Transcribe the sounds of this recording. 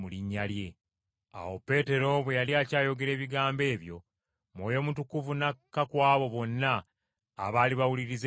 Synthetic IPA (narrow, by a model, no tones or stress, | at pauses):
uliɲːalje̞ | a̰wo̞pːe̞ːte̞ɾo̞βwe̞jaliacaːjo̞ɡe̞ɾe̞ːβiɡaːmbe̞ːβjo̞̰ | mwoːjo̞mutukuvunakːakwaːβo̞βo̞nːa̰ː | βaːliβawuliɾiz